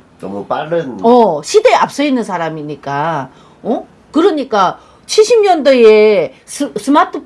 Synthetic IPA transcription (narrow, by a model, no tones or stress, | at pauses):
nmupaɾɯnʌɕʰide̞ap̚s͈ʌinːɯnsʰaɾamiɲik͈a | ʌ | kɯɾʌɲik͈a | t͡ɕʰiɭɕʰimɲʌndojessʰɯmatʰɯpʰ